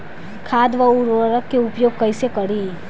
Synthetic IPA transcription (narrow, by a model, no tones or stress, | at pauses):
kʰaːd̪ʋəuɾʋəɾəkːeʊpjoːɡ̚kɐisekɐɽi